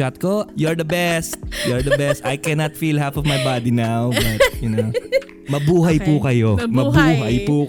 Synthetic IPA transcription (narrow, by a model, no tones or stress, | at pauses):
at̪̚kojɔɹd̪ɐbɛst̪̚jɔɹd̪ɐbɛst̪ajkɛnɐt̪filɦafɔvmɐjbad̪inawbɐt̪̚jʊn | mɐbuːɦɐjpukɐjo̞mɐbuːɦɐjpu